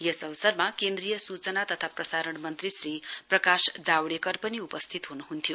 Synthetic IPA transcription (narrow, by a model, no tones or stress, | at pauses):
jesʌβʌsʌrmakend̪rijʌsut͡sʌnat̪ʌt̪ʰaprʌsaɾʌɳmʌnt̪risriprʌkasd͡zawɽekʌrpʌniupʌst̪ʰit̪ɦunuɦunt̪ʰjo